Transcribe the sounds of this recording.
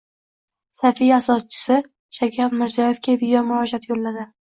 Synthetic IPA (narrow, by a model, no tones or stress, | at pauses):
safijasɒst͡ʃʰɪ̥sɪ | ʃakʲʰaɾmɪɾzijɒjefkʲad̪ɪjɒmʊɾɒd͡ʒat̪jolːad̪ɪ